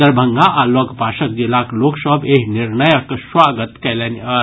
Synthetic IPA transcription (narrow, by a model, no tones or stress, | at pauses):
əɾbʱəŋɡaʔaləɡpaʃək̚d͡ʒilakloksəbeɦniɾnəjəksʋaɡət̪kɛlenə